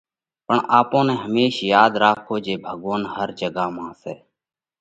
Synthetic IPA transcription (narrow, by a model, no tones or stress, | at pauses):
pəɳaːpõːnɛ̃ːɦəmeːʃjaːd̪ɾaːkʰːoːd͡ʒeːbʱəɠʋoːnhəɾd͡ʒəɡaːmãːsɛː